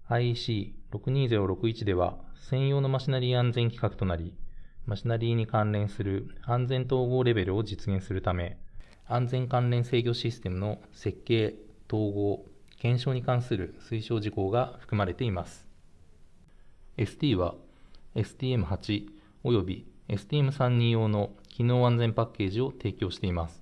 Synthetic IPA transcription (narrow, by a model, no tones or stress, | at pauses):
aiɕiːɾo̞kɯ̟ɲ̟iːze̞ɾoɾo̞kɯ̟it͡ɕid̪e̞βa̰sẽ̞ɰ̃jo̞ːno̞maɕinaɾʲiːãnd͡zẽŋkʲi̥kakɯ̟̥t̪o̞naɾʲimaɕinaɾʲiːɲ̟ikãnɾẽ̞ɰ̃sɨɾɯ̟ãnd͡zẽ̞nt̪̬o̞ːɡo̞ːɾe̞be̞ɾɯ̟o̞d͡ʑit͡sɨɡẽ̞sɨɾɯ̟t̪ame̞ | ãnd͡zẽ̞ŋkãnɾẽ̞ɰ̃se̞ːɡʲo̞ɕisɨ̥t̪e̞mɯ̟no̞ | se̞kːe̞ːt̪o̞ːɡo̞ː | kẽ̞ɰ̃ɕo̞ːɲ̟ikãɰ̃sɨɾɯ̟sɨiɕo̞ːʑiko̞ːɡaɸɯ̟̥kɯ̟maɾe̞t̪e̞imasɨ̥ | e̞sɨ̥t̪ʲiːβa | e̞sɨ̥t̪ʲiːe̞mɯ̟hat͡ɕi | o̞jo̞bʲie̞sɨ̥t̪iemɯ̟sãɲ̟ːĩjo̞ːno̞kʲino̞ːãnd͡zẽ̞mpakʲːe̞ːʑio̞t̪e̞ːkʲo̞ːɕi̥t̪e̞imasɨ̥